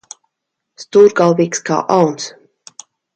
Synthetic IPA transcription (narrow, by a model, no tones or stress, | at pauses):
st̪uːɾɡalˠviːkska̰ːʔawns